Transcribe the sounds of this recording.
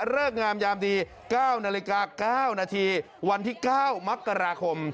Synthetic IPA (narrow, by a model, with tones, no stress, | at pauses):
ɾɤː˥˩k̚ŋaː˧mjaː˧md̪iː˧ | kaː˥˩wnaː˧li˧kaː˧kaː˥˩wnaː˧t̪ʰiː˧ | wa˧nt̪ʰiː˥˩kaː˥˩wma˦˥kːa˧ɾaː˧kʰo˧m